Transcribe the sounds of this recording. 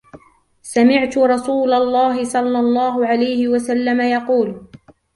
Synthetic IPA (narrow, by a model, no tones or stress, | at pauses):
samɪʕt̪ʊɾˤɑsuːlɑlˤːɑːɦɪsˤɑlːɑlˤːɑːɦʊʕalajhɪwasalːamajɑquːl